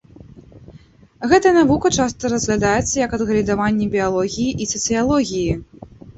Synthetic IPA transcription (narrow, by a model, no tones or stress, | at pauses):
ɣɛt̪ɐjɐnavukɐt͡ʂast̪ɐɾɐzɣlʲad̪ajɛt̪sːɐjɐkɐd̪ɣɐlʲid̪avanʲːɛbʲijalˠɔɣʲijiʔisɐt̪sɨjalˠɔɣʲiji